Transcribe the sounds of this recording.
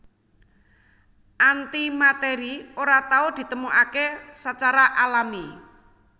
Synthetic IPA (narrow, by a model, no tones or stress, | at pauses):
ʔant̪imat̪eɾioɾat̪aʊd̪̥i̤t̪əmuʔakesət͡ʃaɾaʔalami